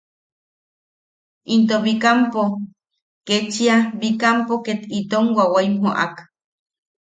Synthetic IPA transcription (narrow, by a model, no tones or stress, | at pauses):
int̪oβikampo | ket͡ʃiabikampoket̪it̪oŋwawaimhoʔa̰k